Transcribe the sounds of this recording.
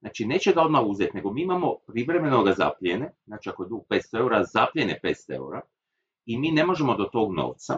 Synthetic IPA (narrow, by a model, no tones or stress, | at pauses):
znaːt͡ʃine̞t͡ɕeɡao̞d̪mauzet̪ne̞ɡo̞miːimamo̞pɾiʋɾe̞me̞no̞ɡaza̰plʲjeneznaːt͡ʃiakojed̪uɡ̚pet̪st̪oe̞uɾazaplʎʲenepet̪st̪oe̞̰ṵɾa | imiːne̞mo̞ʒemo̞d̪o̞t̪o̞ːɡno̰ʋt̪sa